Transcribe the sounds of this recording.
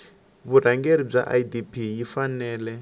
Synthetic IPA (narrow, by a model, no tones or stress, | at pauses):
βuɾ̤aŋɡeɾib͡ʐa̰ʔa̰idipʰijifanɛːlɛ